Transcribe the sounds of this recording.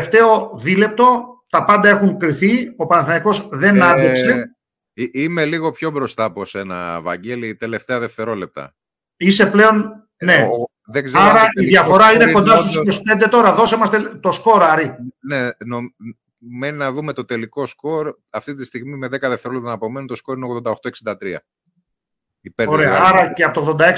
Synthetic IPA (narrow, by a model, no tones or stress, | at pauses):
ft̪e̞o̞ðile̞p̚t̪o̞t̪ɐpɐnd̪ɐe̞xuŋkɾiθio̞pɐnɐθiniko̞zðe̞nɐnd̪ikse̞ | imeliɣo̞pço̞bɾo̞st̪ɐːpose̞nɐ̰vɐ̰ɲɟelit̪e̞le̞ft̪e̞ɐðeft̪e̞ɾo̞le̞p̚t̪ɐ̰ | ise̞ple̞o̞n | ne̞ | ðeɡzeɐɾɐiðʝɐfo̞ɾɐineko̞nd̪ɐst̪usikospe̞nd̪e̞t̪o̞ɾɐðo̞semɐst̪et̪o̞sko̞ɾɐɾinenom | meninɐðumet̪o̞t̪e̞liko̞sko̞ɾ | ɐft̪it̪ist̪iɣmimeðekɐðeft̪eɾolept̪ɐnɐpo̞menut̪o̞sko̞ɾineoɣðo̞nd̪ɐoxt̪oksind̪ɐt̪ɾiɐ̰ | ipeoɾeɐɐɾɐceɐot̪oɣðo̞nd̪ɐeks